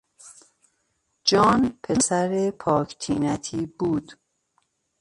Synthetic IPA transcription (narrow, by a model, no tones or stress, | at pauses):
d͡ʒɒːnpʰesæɾepʰɒːkʰt̪ʰiːnæt̪ʰiːbuːd̪̥